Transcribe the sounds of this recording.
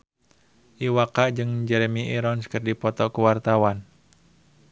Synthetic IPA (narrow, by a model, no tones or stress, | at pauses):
ʔiwakaʔd͡ʒɨŋd͡ʒɛɾemiʔiɾɔnskɨrdipɔt̪ɔkuwart̪awan